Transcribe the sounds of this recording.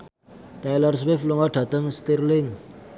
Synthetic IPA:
t̪ajlərs̬wefluŋaɖ̥ʱa̤t̪əŋst̪irliŋ

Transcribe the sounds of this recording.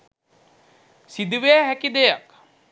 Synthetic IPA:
sid̪uʋejaɦækid̪ejak

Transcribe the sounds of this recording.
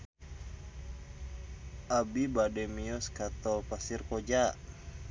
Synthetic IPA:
ʔabibadɛmiɔskat̪ɔlpasirkɔd͡ʒa

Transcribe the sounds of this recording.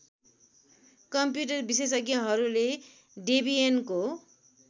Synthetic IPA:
kʌmpjuʈ̬ʌrbises̬ʌɡijʌɦʌɾule | ɖibienko

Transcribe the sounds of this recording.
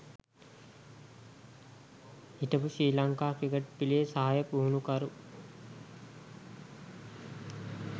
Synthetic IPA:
iʈəpuʃɾiːlaŋkaːkɾiɡəʈpilijesaɦajəpuɦunukɐɾu

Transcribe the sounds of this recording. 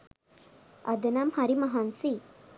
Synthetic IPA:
ɐ̰d̪ɐnamhɐɾimɐɦansi

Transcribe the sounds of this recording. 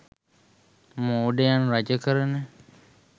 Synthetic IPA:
moːɖejanɾad͡ʒəkəɾəne

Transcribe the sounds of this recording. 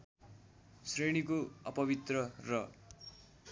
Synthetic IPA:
sreɽ̃ikoʌpʌβit̪rʌrʌ

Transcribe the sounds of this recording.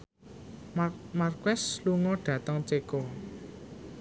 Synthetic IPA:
markwɛsluŋɔɖ̥ä̤t̪əŋt͡ʃeko

